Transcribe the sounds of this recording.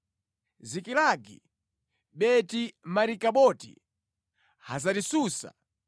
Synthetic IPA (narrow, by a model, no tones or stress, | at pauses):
zikilaɡḭ | ɓɛtimaɾikaɓɔtḭ | hazaɾisuːsa̰